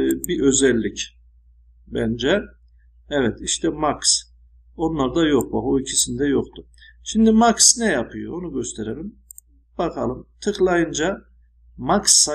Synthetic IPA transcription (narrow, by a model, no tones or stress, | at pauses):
biʔø̞zɛlʲːic | bæ̰nd͡ʒɛ | ɛvɛt̪ʰiʃt̪ʰɛmaks | o̞nlˠaɾd̪ajo̞k̚bakoicʰisind̪ɛjoqt̪ʰʊ | ʃimd̪imaksnɛjapʰɯjoonuɟø̞st̪ʰeɾelʲim | b̥akʰalˠɯmt̪ʰɯklˠajɯnd͡ʒa | maksːa